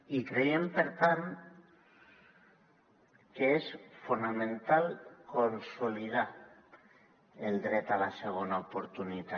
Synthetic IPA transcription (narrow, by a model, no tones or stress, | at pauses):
ikɾejempeɾt̪an | keesfunamẽnt̪alkonsolið̞a | eld̪ɾet̪alaseɣ̞onaopoɾt̪unit̪a